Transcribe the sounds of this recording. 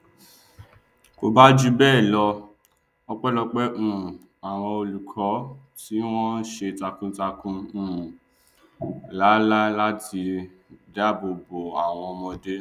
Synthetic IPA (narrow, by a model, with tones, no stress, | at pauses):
ko˨ba˦d͡ʒu˦bɛː˦˨lɔ˧ | ɔ˧k͡pɛ˦lɔ˧k͡pɛ˦ʔũ˦˨ | a˨w̃ɔ̃˧o˧lu˨kʰɔ˨˦ | ti˦w̃ɔ̃˦ʃe˧ta˧kũ˦ta˧kũ˧ũ˨ | la˨˦la˦la˦ti˧ | da˦˨bo˧bo˨a˨w̃ɔ̃˧ɔ˧mɔ̃˧de˦